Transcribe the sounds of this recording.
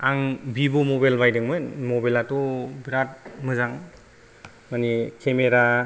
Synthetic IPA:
aŋbibumɔbajlbajdɯŋmɯnmɔbalatɔbiɾat̚mɯzaŋ | manikʰemeɾa

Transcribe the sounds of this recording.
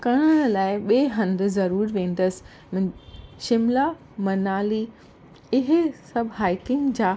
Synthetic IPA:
kɐɽ̃əɽlaːɪɓeːɦɐ̃nd̪̆zɐɾuːɾʋẽːnd̪əsɪ̥ | mʃɪmla | mɐnaːli | ɪɦɪsɐbʱɦaːɪkɪ̃ŋɡd͡ʑaː

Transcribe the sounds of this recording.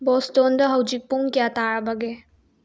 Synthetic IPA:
bɔstondɐɦɐwd͡ʒik̚puŋkijataɾɐbɐɡe

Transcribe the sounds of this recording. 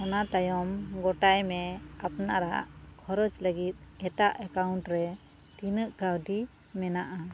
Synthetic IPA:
ɔnat̪ajɔmɡɔʈajmɛapnaɾa̰ʔkʰɔɾɔd͡ʒləɡit̪̚ɛt̪aʔəkawɳʈɾɛ | t̪inəʔkawɖi | mɛnaʔa

